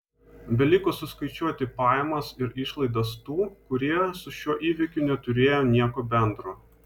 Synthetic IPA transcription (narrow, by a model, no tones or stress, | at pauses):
bʲɛlʲɪkʊsʊskɐɪt͡ʃʲuɔt̪ʲɪpɑːjɛmɐsɪɾɪʃlˠɐɪd̪ɐst̪uːkʊɾʲiɛsʊʃʲuɔʔiːʋʲɪkʲʊnʲɛt̪ʊɾʲeːjoːnʲiɛkoːbʲɛnd̪ɾoː